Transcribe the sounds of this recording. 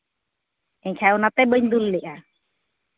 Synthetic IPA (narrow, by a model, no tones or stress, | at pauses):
ɛɲkʰaunat̪ɛbəɲd̪ulːiʔa